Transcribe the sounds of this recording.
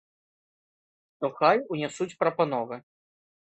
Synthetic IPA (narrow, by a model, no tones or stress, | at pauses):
ʂt̪ɔxajunʲɛsut͡sʲpɾɐpanɔvɨ